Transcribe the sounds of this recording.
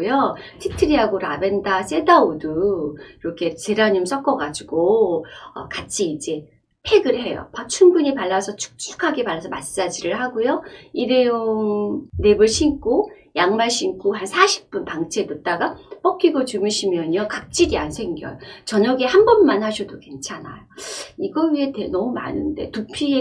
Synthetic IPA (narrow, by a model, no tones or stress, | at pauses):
jotʰik̚tʰɯɾiaɡoɾabe̞ndas͈e̞daodɯiɾʌkʰe̞t͡ɕeɾaɲims͈ʰʌk͈ʌɡad͡ʑuɡoʌ̰kat͡ɕʰiːd͡ʑe̞ | pʰe̞ɡɯɭɦe̞jo̰pat͡ɕʰumbuɲipaɭːasʰʌt͡ɕʰu̥k̚t͡ɕ͈ʰu̥kʰaɡepaɭːasʰʌmast͡ɕ͈ad͡ʑiɾɯɭhaɡojoiɾejoŋne̞bɯɭɕʰink͈ʰo | jaŋmaɭɕ͈ʰinkʰoɦansʰaɕʰi̥p̚p͈unpaŋt͡ɕʰe̞dɯt͈aɡap͈ʌkʰiɡot͡ɕumɯɕʰimjʌɲʌkak̚t͡ɕ͈iɾiansʰe̞ŋɡjʌ̰jot͡ɕʌɲʌɡehambʌnmanɦaɕʰʌdoke̞nt͡ɕʰana̰joiɡʌɥie̞tenʌmuma̰nɯnde̞̰tupʰie